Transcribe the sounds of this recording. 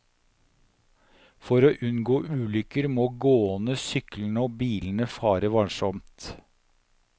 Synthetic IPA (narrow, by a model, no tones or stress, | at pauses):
fɔɾoːʔʉnɡoːʔʉːlʏkəɾmoːɡoːɔnəsʏkln̩əoːbiːlən̩əfɑːɾəʋɑnʃɔmt̪